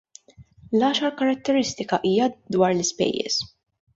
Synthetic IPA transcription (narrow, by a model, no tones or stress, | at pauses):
lɐːʃɐɾkɐɾɐt̪ːɛɾɪst̪ɪkɐʔiːjɐd̪wɐːɾlɪspɛ̰jːɛ̰s